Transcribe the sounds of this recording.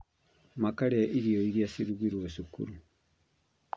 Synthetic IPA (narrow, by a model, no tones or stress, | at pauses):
makaɾeaʔiɾiɔiɾiasiɾuɣiɾwosukṵɾu